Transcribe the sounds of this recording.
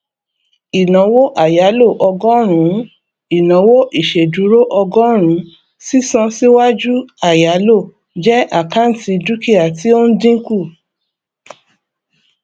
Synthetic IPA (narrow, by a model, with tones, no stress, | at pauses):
i˨nã˨˦wo˦ʔa˦˨ja˨˦lo˦˨ʔɔ˧ɡɔ˦ɾ̃ũ˨˦ | i˨nã˨˦wo˦ʔi˦˨ʃe˨du˨˦ɾo˦ʔɔ˧ɡɔ˦ɾ̃ũ˨˦ | si˦sɔ̃˧si˦wa˦d͡ʒu˦a˨ja˨˦lo˦˨ | d͡ʒɛ˦ʔa˦˨ka˨˦n̩˨ti˧du˦ki˦a˨ti˦o˦n̩˦dĩ˦ku˦˨